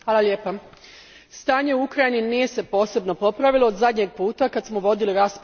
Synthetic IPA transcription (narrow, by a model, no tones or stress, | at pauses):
ʋaːlaljeːpa | st̪aːɲe̞uukɾajininije̞se̞po̞ːse̞bno̞po̞pɾaʋilˠood̪zad̪ɲeɡ̚puːt̪akad̪smo̞ʋo̞d̪iliɾasp